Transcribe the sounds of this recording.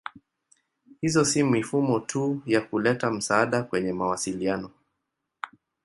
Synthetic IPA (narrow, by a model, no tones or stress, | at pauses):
hizɔsimifumɔtʰujakulɛtam̩saaɗakwɛɲɛmawasilianɔ